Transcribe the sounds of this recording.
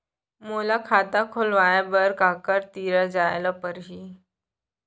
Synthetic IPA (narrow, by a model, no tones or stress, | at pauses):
molakʰat̪akʰolʋajabəɾkakəɾt̪iɾəd͡zajləpəɾɦiː